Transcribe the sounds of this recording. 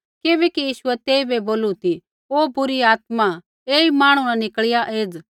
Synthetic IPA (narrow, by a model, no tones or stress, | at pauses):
keːbɛkijiːʃʊɛt̪eːibɛboːlut̪i | oːbʊɾiaːt̪̚mã | eːimaːɽ̃unanɪkɭɪjaʔeːd͡z